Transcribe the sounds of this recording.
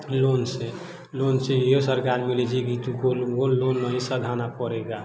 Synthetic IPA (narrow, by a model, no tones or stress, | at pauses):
lonse | lonsejosəɾkaɾmiled͡ʒiɡit̪ukolɡolonːəɦisəd̪ʱanapɔɾeɡa